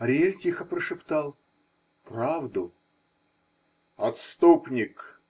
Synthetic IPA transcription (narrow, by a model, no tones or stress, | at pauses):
ɐɾʲelʲtʲixəpɾəʂɨpt̪alˠ | pravd̪ʊ | ɐt̪st̪upnʲɪk